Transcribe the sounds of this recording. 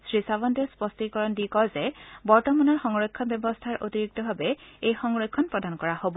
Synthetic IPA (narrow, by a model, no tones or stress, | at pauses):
sɹisabɔndɛspɔstikɔɹɔndikɔzɛbɔɹtɔmanɔɹxɔŋɹɔjkʰːɔnbjɛbɔst̪ʰaɹʔotiɹiɡ̚tɔbʱabɛejxɔŋɹɔjkʰːɔnpɹɔdankɔɹahobɔ